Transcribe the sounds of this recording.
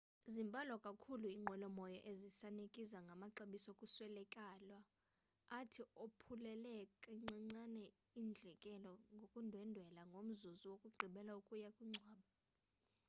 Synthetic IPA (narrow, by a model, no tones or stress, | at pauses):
zimbʱʼalɔkʼakʰuluiːŋ͡ǃʱɔlɔmɔjɔʔezisanekʼizaŋɡʱamaǁeɓisɔokʼuswɛlɛkʼalwaː | tʰiopʰulɛlɛkʼɛŋ͡ǀaŋ͡ǀanɛ | ind͡ɮʱɛkʼɛlɔŋɡʱokʼundʱwɛndʱwɛlaŋɡʱom̩zuzuwokʼuɡ͡ǃʱiɓɛlaukʼujakʼwiŋ͡ǀʱwaːɓa